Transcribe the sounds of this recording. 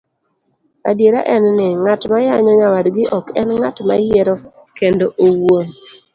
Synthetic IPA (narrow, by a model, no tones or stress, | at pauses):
a̰djeɾaʔɛnːɪŋatmajaɲɔɲawadɡɪʔɔkɛnŋatma̰jɛɾɔ | kendoʔowo